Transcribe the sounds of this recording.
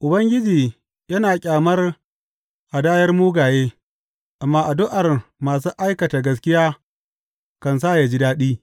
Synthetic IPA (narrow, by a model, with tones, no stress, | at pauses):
ʔʊ˨bɐ˦ŋɡʲɪ˦d͡ʒiː˨ | jɐ˦naː˨kʲʼaː˨mɐ˦r | ʔa˨daː˦jɐ˦rmuː˦ɡaː˨jeː˦ | ʔa˨mːaː˦ʔa˨dʊ˦ʔa˨rmaː˨s̬u˦ʔa˦jkɐ˨ta˨ɡɐ˦s̬kʲɪ˦jaː˦ | kɐ˨ns̬aː˦˨ja˨d͡ʒi˦daː˦ɗiː˦